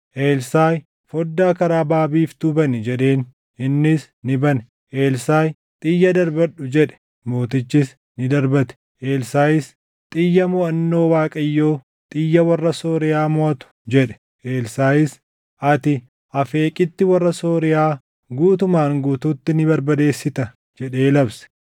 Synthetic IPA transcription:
ʔeːlsaːj | fɔd̪ːaːkɐɾaːbaːbiːft̪ubɐnɪd͡ʒɛᶑe̞ːn | ɪnːɪs | nɪbɐn | ʔeːlsaːj | t̪ʼɪjːɐd̪ɐɾbɐɗʊd͡ʒɛᶑɛ̥ | mo̞ːt̪ɪt͡ʃːɪs | nɪd̪ɐɾbɐt̪ɛ̥ | ʔeːlsaːjɪs | t̪ʼɪjːɐmʊɐnːo̞ːwaːkʼɐjːo̞ː | t̪ʼɪjːɐwɐrːɐsoːɾɪjaːmɔʔɐt̪ʊ̥d͡ʒɛᶑɛ̥ | ʔeːlsaːjɪs | ɐt̪ɪ | ʔɐfe̞ːkʼɪt̪ːɪwɐrːɐsoːɾɪjaː | ɡuːt̪ʊmaːŋɡuːt̪uːt̪ːɪnɪbɐɾbɐd̪e̞ːsːɪt̪ɐ | d͡ʒɛᶑeːlɐbsɛ̥

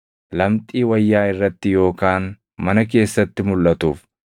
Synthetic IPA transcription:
lɐmt̪ʼiːwɐjːaːɪrːɐt̪ːɪjo̞ːkaːn | mɐnɐke̞ːsːɐt̪ːɪmʊlʔɐt̪uːf

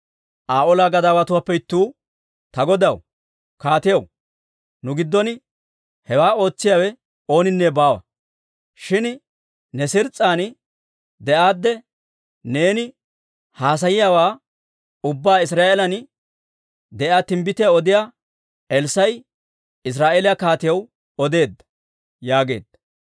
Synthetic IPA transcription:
ʔaːʔɔlaɡɐd̪aːwɐt̪ʊwapːɛɪt̪ːuː | t̪ɐɡɔd̪ɐw | kaːt̪ɪjɐw | nʊɡɪd̪ːɔn | hɛwaːo̞ːt͡sːɪjaːwɛ | o̞ːnɪnːɛbaːwɐ̰ | ʃɪn | nɛsɪɾt͡sʼːaːn | d̪ɛʔaːd̪ːɛ | neːnɪ | haːs̬ɐjɪjawaː | ʊbːaːɪs̬ɾaːʔɛlɐn | d̪ɛʔaːt̪ɪmbɪt̪ɪjaɔd̪ɪjaː | ɛlsɐj | ɪs̬ɾaːʔelɪjakaːt̪ɪjɐw | ɔd̪e̞ːd̪ːɐ̥ | jaːɡe̞̰ːd̪ːɐ̥

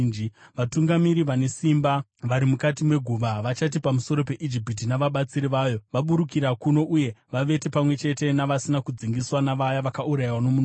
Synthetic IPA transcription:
iʋatuŋɡamiɾiʋane̞simba | ʋaɾimukatimwe̞ɡʱuʋaʋat͡ʃat̬ipamuso̞ɾo̞pe̞ʔid͡ʒipit̬inaʋaɓat͡siɾiʋaːjo̞ʋaɓuɾukiɾakuno̞ʔuje̞ʋaʋe̞te̞pamwe̞t͡ʃe̞te̞naʋasinakud͡ziŋɡiswanaʋajaʋakauɾajiwano̞mun

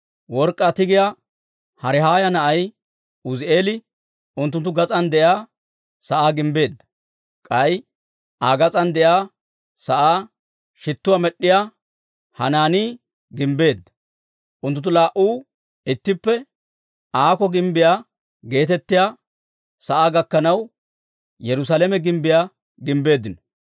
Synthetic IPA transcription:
wɔɾkʼːat̪ɪɡɪja | hɐɾɪɦaːjɐnɐʔɐj | ʊzɪʔe̞ːlɪ | ʊnt̪ːʊnt̪ːʊɡɐt͡sʼɐnd̪ɛjaː | sɐʔaːɡɪmbe̞ːd̪ːɐ̥ | kʼɐj | ʔaːɡɐt͡sʼɐnd̪ɛjaː | sɐʔaː | ʃɪt̪ːʊwamɛɗːɪjaː | hɐ̰naːniː | ɡɪmbe̞ːd̪ːɐ̥ | ʔʊnt̪ʊnt̪̬ːʊlaːʔuː | ɪt̪ːɪpːɛ | aːkɔɡɪmbɪjaː | ɡe̞ːt̪ɛt̪ːɪjaː | sɐʔaːɡɐkːɐnɐw | jɛɾʊs̬alɛmɛɡɪmbɪjaː | ɡɪmbe̞ːd̪ːɪnɔ

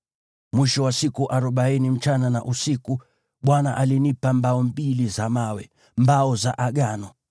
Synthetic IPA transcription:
mwiʃɔwasikuʔaɾɔɓainim̩t͡ʃanana̰ʔusiku | ɓwanaʔalinipambaɔmbilizamawɛ | mbaɔzaʔaɡanɔ

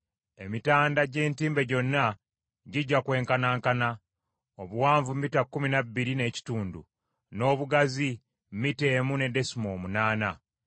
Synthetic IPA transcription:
e̞mitaːndaɟe̞ːntiːmbe̞ɟo̞nːa | ɟiɟːakwe̞ːŋkanaːŋkana | oβuwaːɱvumitakːuminabːiɾine̞ːci̥tuːndṵ | no̞ːβuɡazi | mmite̞ːmune̞de̞simo̞ːmunaːna

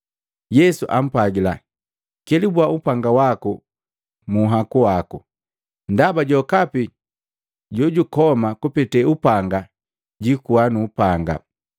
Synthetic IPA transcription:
jɛsuʔam̩paɡila | kɛlibwaupaŋɡawaku | muɦakuwaku | ndabaɟɔkapi | ɟɔɟukɔmakupɛtɛupaŋɡa | ɟikuanuːpaŋɡa̰

